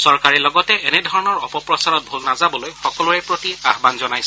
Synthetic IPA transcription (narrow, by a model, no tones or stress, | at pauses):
sɔɹkaɹilɔɡɔtɛenɛdʱɔɹɔnɔɹɔpɔpɹɔsaɹɔt̚bʱolnazabɔlojxɔkɔlʊɛpɹotiaɦbanzɔnajsɛ